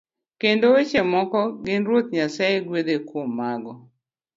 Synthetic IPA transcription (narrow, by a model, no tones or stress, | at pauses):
kendoet͡ʃemɔkɔɡɪnɾwot̪̚ɲasaeɡwed̪ekwomːaɡɔ